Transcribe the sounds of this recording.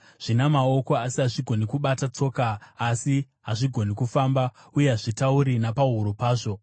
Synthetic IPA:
ʐ̥inamao̞ko̞asiɦaʐiɡʱo̞nikuɓatat͡so̞ːkaːsi | ɦaʐiɡʱo̞nikufaːmba | uje̞ɦaʐitauɾinapaɦuɾupaːʐo̞

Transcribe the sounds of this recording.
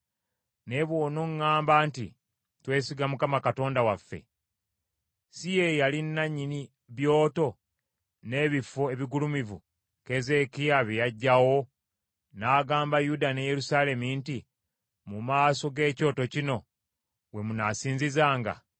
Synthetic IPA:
ne̞βwo̞ːnoŋːaːmbaːntḭ | twe̞ːsiɡamukamakato̞ːndawafːe̞̰ | sijejalinːaɲːini | βjo̞ːto̞ | ne̞βifoe̞βiɡulumivṵ | ke̞zekijaβejaɟːawo̞ | naːɡaːmbajudaneje̞ɾusaːle̞minti | mumaːso̞ɡe̞ːco̞ːto̞cino̞ | we̞munasiːnzizaːŋɡa̰

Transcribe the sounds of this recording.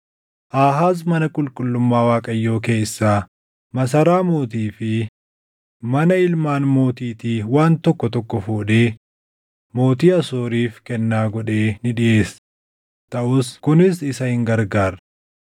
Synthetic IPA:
ʔaːɦaːs̬mɐnɐkʼʊlkʼʊlːʊmːaːwaːkʼɐjːo̞ːke̞ːsːaː | mɐs̬ɐɾaːmo̞ːt̪iːfɪ | mɐnɐɪlmaːnmo̞ːt̪iːt̪iːwaːnt̪ɔkːɔt̪ɔkːɔfoːᶑe̞ː | mo̞ːt̪̬iːɐsoːɾiːfkɛnːaːɡɔᶑe̞ːnɪᶑɪʔe̞ːs | t̪ɐʔʊskʊnɪsɪsɐhɪŋɡɐɾɡaːɾɐ

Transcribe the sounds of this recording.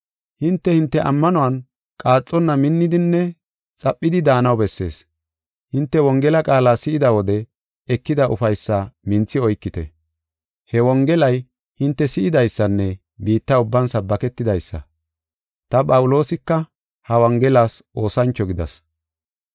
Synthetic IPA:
hɪnt̪ːɛhɪnt̪ːɛʔɐmːɐnɔwɐn | kʼaːt͡sʼːɔnːɐmɪnːɪd̪ɪnːɛ | t͡sʼɐpʼːɪd̪ɪd̪aːnɐwbɛsːe̞̰ːs | hɪnt̪ːɛwɔŋɡɛlɐkʼaːlaːsɪʔɪd̪ɐwɔd̪ɛ | ɛkːɪd̪ɐʔʊfɐjsːɐmɪnt͡sːɪɔjkːɪt̪ɛ | hɛwɔŋɡɛlɐj | hɪnt̪ːɛsɪʔɪd̪ɐjsːɐnːɛ | biːt̪ːɐʊbːɐnsɐbːɐkɛt̪ːɪd̪ɐjsːɐ̰ | t̪ɐpʼɐwʊlo̞ːsɪkːɐ | hɐwɐŋɡɛlasʔo̞ːsɐnt͡ʃːɔɡɪd̪ɐ̰s

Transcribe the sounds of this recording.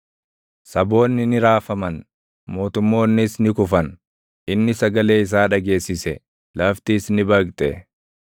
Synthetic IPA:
sɐbo̞ːnːɪnɪɾaːfɐmɐn | mo̞ːt̪ʊmːo̞ːnːɪsnɪkʊfɐn | ʔɪnːɪsɐɡɐle̞ːɪs̬aːᶑɐɡe̞ːsːɪsɛ | lɐft̪iːsnɪbɐkt̪ʼɛ

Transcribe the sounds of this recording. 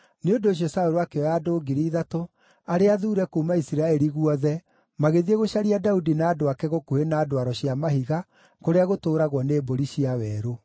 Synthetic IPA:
neondoːɕ̬iɔsaoɾoakeɔaːdoːɡiɾiðato | aɾeaðuːɾɛkuːmaisiɾaɛɾiɣuɔðɛ | maɣeðieɣoɕaɾiadaudinaːdoakɛɣokuhenaːdoaɾɔɕiamaɦiɣa | koɾeaɣotoːɾaɣwɔneːboɾiɕiawɛːɾo

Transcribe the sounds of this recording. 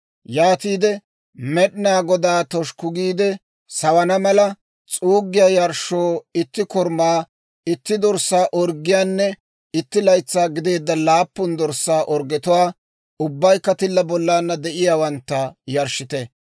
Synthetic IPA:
jaːt̪iːd̪ɛ | mɛɗɪnaːɡɔd̪aːt̪ɔʃkʊɡiːd̪ɛ | sɐwɐnɐmɐlɐ | t͡sʼuːɡːɪjaːjɐɾʃoːɪt̪ːɪkɔɾmaː | ɪt̪ːɪd̪ɔɾsːaːʔɔɾɡɪjaːnːɛ | ɪt̪ːɪlɐjt͡sːaːɡɪd̪e̞ːd̪ːɐlaːpːʊnd̪ɔɾsːaːʔɔɾɡɛt̪ʊwaː | ʊbːɐjkːɐt̪ɪlːɐbɔlːaːnːɐd̪ɛʔɪjaːwɐnt̪ːɐjɐɾʃɪt̪ɛ

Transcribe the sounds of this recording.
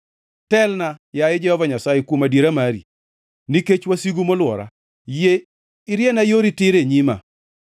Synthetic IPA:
tɛlnajajɛd͡ʒɛhɔvaɲasajekwomadjeɾamaɾḭ | niket͡ʃwasiɡumolwɔɾa̰ | je | ɪɾjenajoɾitɪɾeɲima̰

